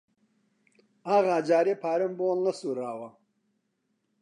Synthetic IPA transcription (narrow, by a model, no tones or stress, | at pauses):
aːɣaːd͡ʒaːɾeːpʰaːɾɐmboːlnɐsuːɾaːwɐ